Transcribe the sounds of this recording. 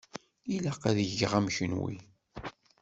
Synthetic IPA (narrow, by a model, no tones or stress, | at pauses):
ilæqæðʝːʁæmçənwḭ